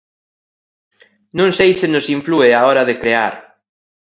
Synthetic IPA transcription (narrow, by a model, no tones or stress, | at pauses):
nũŋsejsɪnʊsiɱflueaɔɾɐðɪkɾea̰ɾ